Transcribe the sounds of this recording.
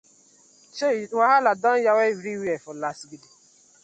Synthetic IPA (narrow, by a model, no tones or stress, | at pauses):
ʃewaɦaladɔn̩jawevɾiwiɛfʊlasɡidi